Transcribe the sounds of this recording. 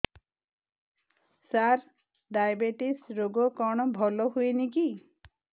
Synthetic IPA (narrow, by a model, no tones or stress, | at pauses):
saɾ | ɖajbeʈisɾoɡɔkɔɽ̃ɔbʱɔlɔɦujniki